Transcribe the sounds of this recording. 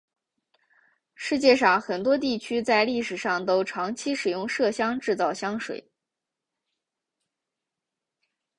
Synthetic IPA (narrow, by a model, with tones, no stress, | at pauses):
ʂɻ̩˥˧t͡ɕjɛ˥˧ʂɑ˥˩ŋxə˨˩nt̪wɔ˥t̪i˥˩t͡ɕʰy˥t͡sa˥˧ɪli˥˩ʂɻ̩˨˩ʂɑ˥˩ŋt̪o˥ʊʈ͡ʂʰɑ˧˥ŋt͡ɕʰi˥ʂɻ̩˨˩jʊ˥˧ŋʂɤ˥˩ɕjɑ˥ŋʈ͡ʂɻ̩˥˧t͡sɑ˥˩ʊɕjɑ˥ŋʂwḛ˨˩˦ɪ